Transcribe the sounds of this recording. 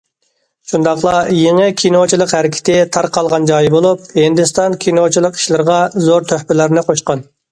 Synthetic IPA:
ʃund̪ɑχlˠɑjeŋɨkʲʰinot͡ʃʰilˠəqhæɾɪkʲʰɪ̥t̪ɪt̪ʰɑɾqɑlˠʁɑnd͡ʒɑjbolˠup̚hɪnd̪ɪst̪ɑnkʲʰinot͡ʃʰilˠəqi̥ʃlɪɾʁɑzoɾt̪ʰøhpɪlɪɾnɪqʰoʃqɑn

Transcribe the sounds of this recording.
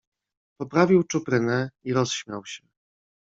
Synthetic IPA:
pɔpɾavʲiwt͡ʂupɾɘnɛiɾɔsɕmʲjawɕɛ

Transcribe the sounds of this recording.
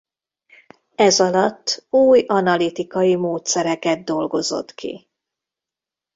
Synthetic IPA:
ɛzɒlɒt̪ːuːjɒnɒlit̪ikɒjimoːt̪sɛɾɛkɛd̪̚d̪o̞lɡo̞zo̞̰t̪kʰḭ

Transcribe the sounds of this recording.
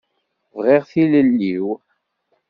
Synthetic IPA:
vʁiʁθiləlːiw

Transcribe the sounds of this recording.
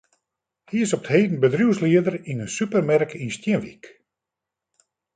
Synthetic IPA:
hiɪsɔpəthejdn̩bədrjuwsliədərinənsypərmɛrkinstjɪnʋḭk

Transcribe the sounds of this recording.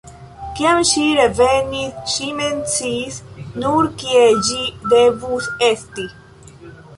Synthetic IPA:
kiamʃiɾevenisʃiment͡sisnuɾkied͡ʒid̪evusest̪i

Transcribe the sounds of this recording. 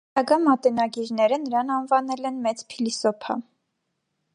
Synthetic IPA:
ɑɡɑmɑt̪ɛnɑɡiɾnɛɾənəɾɑnɑnvɑnɛlɛnmɛt͡spʰilisɔpʰɑ̰

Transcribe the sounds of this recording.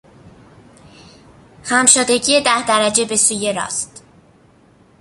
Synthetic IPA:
hæmʃod̪eɟije̞d̪æhd̪æɾæd͡ʒe̞be̞suːje̞ɾɒ̰ːst̪

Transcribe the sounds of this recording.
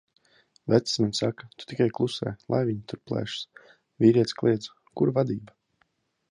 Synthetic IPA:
væt̪ssmansakḁt̪u̥t̪ikajklˠusɛ̰ːlˠa̰jviɲit̪uɾplˠɛ̰ːʃs | viːɾiɛt̪sklˠiɛd̪zu̥ | kuɾvad̪iːba

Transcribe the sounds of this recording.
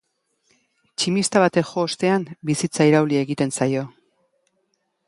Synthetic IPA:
t͡ʃimist̪aβat̪e̞kxo̞ːst̪e̞ambisit͡saiɾawlie̞ɣit̪e̞nsajo̞

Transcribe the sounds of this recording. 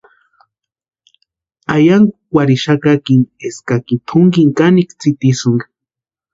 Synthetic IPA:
ajaŋ | waɾiʃakakineskakit̪ʰʊŋɡiŋkanikt͡sit̪isuŋɡḁ

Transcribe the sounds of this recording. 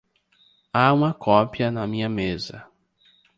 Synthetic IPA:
aũmɐkʰɔpiɐnɐmĩɲɐmezɐ̰

